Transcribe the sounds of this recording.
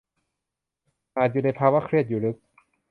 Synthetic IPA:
ʔaː˧˩t͡ɕi˧˩lːpʰaː˧˩waː˦˥kʰɾi˧˥˩ət̪̚juː˨˩ɾɯ˦˥k̚

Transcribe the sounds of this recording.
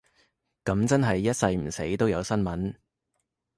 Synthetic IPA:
kɐ˨˧˥mt͡sɐ˥nɦɐ˨jːɐ˥t̚sɐ˧jm̩˨˩se˨˥jt̪o˥wjɐ˨˧wsɐ˥nmɐ˨˥n

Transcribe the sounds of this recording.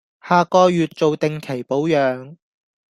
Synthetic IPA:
haː˨˧kɔː˧jyː˨t̚t͡so˨wt̪ɪ˨ŋkʰe˨˩jpo˨˥wjœː˨˧ŋ

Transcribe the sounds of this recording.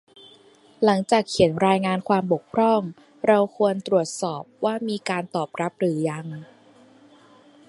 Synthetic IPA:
la˩˦ŋt͡ɕaː˨˩kʰːi˩˦nɾaː˧jŋaː˧nkʰwaː˧mbo˨˩k̚pʰɾɔ˥˩ŋ | ɾa˧wkʰu˧ənt̪ɾu˨˩ət̪̚sɔː˨˩p̚waː˥˩miː˧kaː˧nt̪ɔː˨˩p̚ɾa˦˥p̚ɾɯː˩˦ja˧ŋ

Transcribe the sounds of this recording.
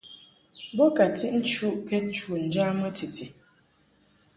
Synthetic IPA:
bɔ˦ka˨ti˦ʔn̩˦t͡ʃu˦ʔkɛ˦t͡ʃu˦˨n̩˨d͡ʒa˦mə˦ti˨tʰi˨

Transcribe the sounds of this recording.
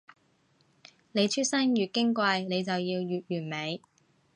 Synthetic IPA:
ne˨˧jt͡ʃʰy˥t̚sɐ˥njyː˨t̚kɪ˥ŋkʷɐ˧jne˨˧jt͡sɐ˨wjiː˧wjyː˨t̚jyː˨˩nme˨˧j

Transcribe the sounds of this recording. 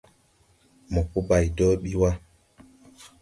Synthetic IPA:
mɔ˨pu˦ba˨jdɔː˦ɓi˦wa˦

